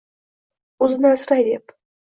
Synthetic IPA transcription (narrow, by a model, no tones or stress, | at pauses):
ʊzɪnasɾajd̪ep